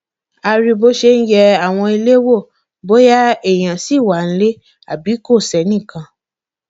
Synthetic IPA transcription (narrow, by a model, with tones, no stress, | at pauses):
a˧ɾi˧bo˦ʃe˧n̩˦jɛ˧a˦˨w̃ɔ̃˧i˧le˦wo˦˨ | bo˦ja˦e˨j̃ã˨si˨˦˨wa˨˦n̩˦le˦ | a˨bi˨˦ko˦˨sɛ˨˦nĩ˦˨kã˧